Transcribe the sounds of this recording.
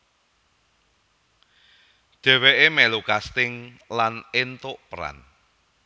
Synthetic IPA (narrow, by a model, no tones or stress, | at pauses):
d̪̥ɛ̤weʔemɛlukast̪ɪŋ | lanent̪ʊʔpəɾa̰n